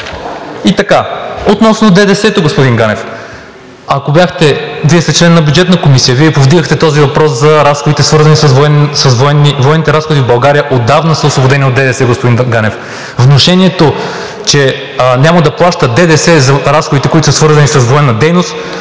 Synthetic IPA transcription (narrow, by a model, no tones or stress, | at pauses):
it̪ɐkaot̪nɔsnod̪ɛd̪ɛsɛt̪oɡospʊd̪inɡanɛf | ɐkobʲjaxt̪ɛviɛst̪ɛt͡ʃlɛnːɐbʲjud͡ʒɛt̪nəkomisijəviɛpovd̪iɡəxt̪ɛt̪ɔzivɐpɾɔszɐɾasxod̪it̪ɛsvɤɾzɐnisɐsvɛsɐsvɛnivoɛnːit̪ɛɾasxod̪ivbɐlˠɡaɾijəʔod̪avnəsɐoslˠobod̪ɛniod̪ɛd̪ɛsɛɡospod̪inɡanɛf | vnoʃɛnʲiɛt̪o | t͡ʃɛ | nʲamɐd̪ɐplˠaʃt̪əd̪ɛd̪ɛsɛzɐɾasxod̪it̪ɛkoit̪ʊ̥səsvɤɾzɐnisɐsvoɛnːɐd̪ɛjnost̪